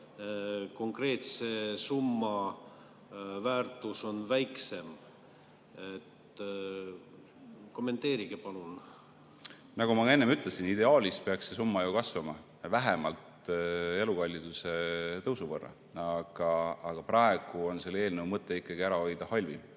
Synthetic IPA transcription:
ko̞ŋkre̞ːt̪se̞sumːɑ | væːrt̪ˑuso̞nvæjkse̞m | et̪ | ko̞mːe̞nt̪e̞ːɾiɡ̥epɑlun | nɑɡ̥umɑe̞nːemyt̪ˑlesinid̪̥e̞ɑːlʲist̪̚peɑkse̞sumːɑjukɑsvɑmɑ | væɦemɑlt̪e̞lukɑlʲːid̪̥use̞t̪ɤwsuvɤrːɑ̰ | ɑɡ̥ɑːɡ̥ɑprɑe̞ɡ̥uo̞nse̞lee̞ːlnewmɤt̪ˑːe̞ikːˑɑɡ̥iæɾɑo̞jd̪̥ɑhɑlʲvḭ

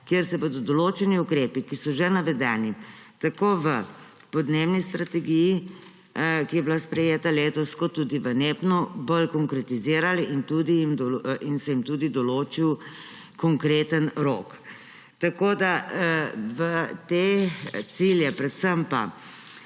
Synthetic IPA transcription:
kjeɾsɛbod̪ɔd̪ɔloːt͡ʃɛniukɾeːpikisɔʒenaʋɛd̪ɛːnit̪akoːʋə | pɔd̪neːwnist̪ɾat̪ɛɡiji | kijɛblaspɾɛjeːt̪aleːt̪ɔskɔt̪ud̪iʋəneːpnɔbolkɔŋkɾɛt̪iziːɾaliʔint̪ud̪ijimd̪ɔinsɛjimt̪ud̪id̪ɔloːt͡ʃiw | kɔŋkɾeːt̪ənɾo̰ːk | t̪akoːd̪a | ʋət̪et̪siljɛpɾɛt̪səmpa̰

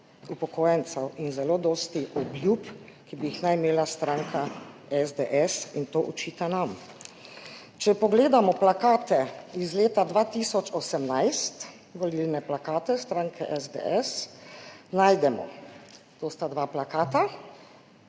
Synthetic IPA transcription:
upɔkoːjɛnt̪sɛwinzɛloːd̪ɔːst̪iʔɔbljup | kibiixnajimeːlast̪ɾãːŋkʰa | ɛzd̪eʔɛsint̪oːʔɔt͡ʃiːt̪anam | t͡ʃɛpɔɡleːd̪amɔplakaːt̪ɛizleːt̪ad̪ʋat̪isɔt͡ʃɔsɛmnajst̪ | ʋɔlilnɛplakaːt̪ɛst̪ɾaːŋkʰɛʔɛzd̪ḛʔɛs | najd̪ɛmɔ̰ | t̪oːst̪ad̪ʋaːplakaːt̪a

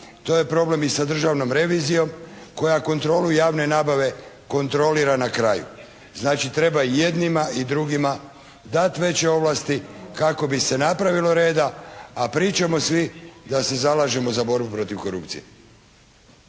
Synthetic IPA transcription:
t̪o̞ːje̞pɾo̞ble̞misad̪r̩ʒaʋno̞mɾe̞ʋizijo̞mko̞jako̞nt̪ɾo̞ːlujaːʋne̞naːbaʋe̞ | ko̞nt̪ɾo̞liɾanakɾajṵ | znaːt͡ʃit̪ɾe̞baije̞d̪nimaid̪ɾuɡima | d̪at̪ʋe̞t͡ɕe̞o̞ʋlast̪ikako̞bise̞napɾaʋilo̞ɾe̞ːd̪aːpɾiːt͡ʃamo̞sʋid̪ase̞zalaːʒe̞mozabo̞ɾbupɾo̞t̪iʋko̞ɾṵpt̪sḭjḛ

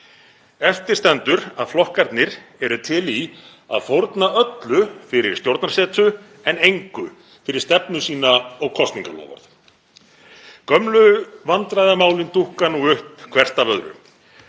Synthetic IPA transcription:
ɛft̪ɪ̥st̪ɛnt̪ʏɾaðflɔhkaɾt̪nɪɾɛɾʏt̪ʰɪli | a̰ðfowɾt̪naœt̪lʏfɪɾɪɾ̥st̪jowɾt̪nḁsɛːt̪ʏ | ɛnejŋkʏ | fɪɾɪɾ̥st̪ɛpnʏsiːnaɔɣkʰɔst̪niŋkalɔ̰ːva̰ɾθ | kœmlʏvant̪ɾajðamaːwlɪnt̪ʰuhkanuʏhpkʰvɛr̥st̪avœðɾʏ̰

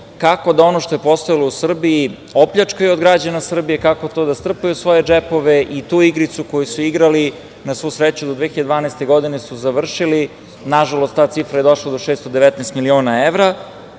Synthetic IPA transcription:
kako̞d̪ao̞noʃt̪o̞je̞po̞st̪ojilˠo̞usr̩bii | opʎʲat͡ʂkajuod̪ɡɾad͡ʑanasr̩bijekako̞t̪o̞ːd̪ast̪r̩pajusʋo̞jed͡ʒepo̞ʋeʔit̪uːiɡɾit̪suko̞jisuiɡɾali | nasʋousɾet͡ɕud̪od̪ʋexid̪d̪ʋaːnɛst̪eɡo̞d̪inesuzaʋr̩ʃili | naʒalˠost̪t̪ːaːt̪sifɾajed̪o̞ʃlˠad̪o̞ʃeːst̪od̪eʋɛt̪nɛst̪milio̞ːnaeʋɾa

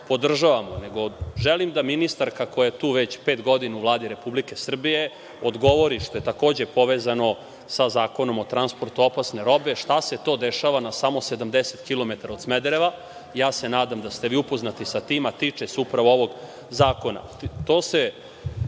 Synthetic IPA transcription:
po̞d̪r̩ʒaʋamoneɡo̞ʒelimd̪aminist̪aɾkakojet̪uːʋet͡ɕpeːt̪ɡo̞d̪inauvlˠaːd̪iɾe̞publike̞sr̩bije̞ | od̪ɡo̞ʋo̞ɾiʃt̪oje̞t̪ako̞ːd͡ʑepo̞ʋeːzano̞ | sazaːko̞no̞mot̪ɾanspo̞ɾt̪uo̞pasne̞ɾo̞beʃt̪ase̞t̪o̞ːd̪eʃaʋanasamo̞sed̪amd̪eset̪kilˠo̞met̪aɾao̞d̪smed̪ɾeʋa | jaːsenaːd̪amd̪ast̪e̞ʋiːupo̞znat̪isat̪iːmat̪iːt͡ʂesupɾaʋooʋo̞ɡ | zaːko̞na̰t̪oːse

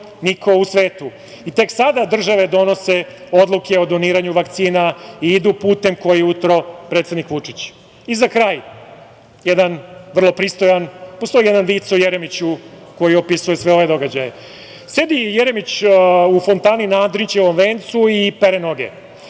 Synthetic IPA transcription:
nikʰousʋe̞ːt̪u | it̪e̞ksad̪ad̪r̩ʒaʋe̞d̪o̞no̞seo̞d̪lˠuke̞od̪o̞niːɾaɲuʋakt̪siːnaiid̪upuːt̪e̞mko̞jiɛut̪ɾo̞pɾet̪sed̪nikʋut͡ʂit͡ɕ | izakɾaːj | jed̪anʋr̩lˠo̞pɾiːst̪o̞janpost̪o̞ijed̪anʋiːt̪saujeɾemit͡ɕuko̞jio̞pisujesʋe̞o̞ʋe̞d̪o̞ɡad͡ʑaje | se̞d̪ijeɾemit͡ɕufont̪aːninaad̪ɾint͡ɕeʋomʋeːnt̪suipeɾenoɡḛ

